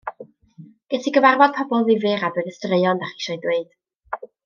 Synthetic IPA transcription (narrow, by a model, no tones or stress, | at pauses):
ɡ̥ɛtʰiɡəvarvɔd̚pʰɔbɔlˠvivɪɾabəðəstreɨɔndaχi̥ʃɔjdweɨd̥